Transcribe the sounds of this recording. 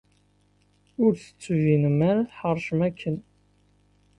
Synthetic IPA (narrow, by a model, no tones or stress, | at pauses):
ʊɾθə̥t͡sːvinəmaɾaθħəɾˤʃəmækʰːən